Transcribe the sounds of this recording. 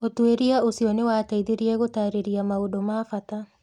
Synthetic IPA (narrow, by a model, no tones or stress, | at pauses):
otweɾiaosiɔnewaːtaiðeɾiɛɣotaɾeɾiamaodomaːfata